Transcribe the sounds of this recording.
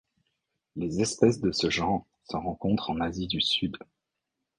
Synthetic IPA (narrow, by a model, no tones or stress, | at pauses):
lezɛspɛsd̪əsəʒɑ̃ʁ | səʁɑ̃kɔ̃t̪χɑ̃nazid̪ysyd̪